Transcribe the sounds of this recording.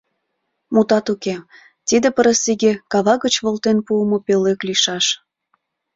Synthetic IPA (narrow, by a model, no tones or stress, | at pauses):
mut̪ɑt̪uke | t̪id̪ĕpəɾəsiɣekɑβɑɣət͡ɕβolt̪enpuəmopeløkliʃɑʃ